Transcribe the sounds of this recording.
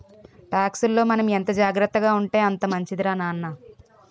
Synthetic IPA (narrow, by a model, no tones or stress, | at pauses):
ʈaːksulːo̞ːmɐnɐment̪ɐd͡ʒaːɡɾɐt̪ːɐɡaːuɳʈe̞ːɐnt̪ɐmɐɲt͡ʃid̪iɾanaːnːɐ